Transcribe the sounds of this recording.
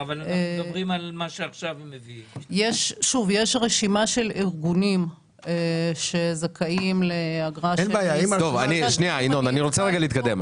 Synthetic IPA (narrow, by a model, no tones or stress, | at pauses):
avalmʁimalmaʃeaχʃavmːeviijeʃʃuvjeʃʁeʃimaʃeliʁɡunim | eʃezakʰaimleaɡʁanbeajait̪ovaniʃniainonaniʁot͡seʁeɡaleit̪kad̪e̞m